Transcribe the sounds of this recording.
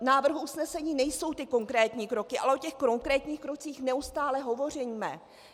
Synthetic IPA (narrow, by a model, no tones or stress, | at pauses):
naːvr̩ɦuusnɛsɛɲiːnɛjso̞wt̪ɪko̞ŋkɾɛːt̪ɲiːkɾo̞kɪʔalɛʔocɛxkɾo̞ŋkɾɛːt̪ɲiːxkɾo̞t͡siːxnɛust̪aːlɛɦo̞vo̞r̝ɛjimɛ̰